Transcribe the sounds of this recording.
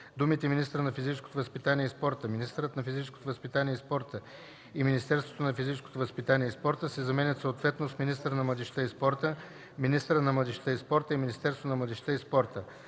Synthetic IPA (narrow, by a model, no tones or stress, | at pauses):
d̪umit̪ɛminist̪əɾənɐfizit͡ʃɛ̥sko̥t̪ovəspit̪aniɛispɔɾt̪əminist̪əɾət̪nɐfizit͡ʃɛskot̪ovəspit̪aniɛispɔɾt̪ə | iminist̪ɛɾst̪vo̥t̪onɐfizit͡ʃɛsko̥t̪ovəspit̪aniɛispɔɾt̪əsɛzɐmɛnʲət̪soot̪vɛt̪nosminist̪əɾənɐmlˠɐd̪ɛʃt̪əispɔɾt̪ə | minist̪əɾət̪nɐmlˠɐd̪ɛʃt̪əispɔɾt̪əiminist̪ɛɾsvot̪onɐmlˠɐd̪ɛʃt̪əispɔɾt̪ə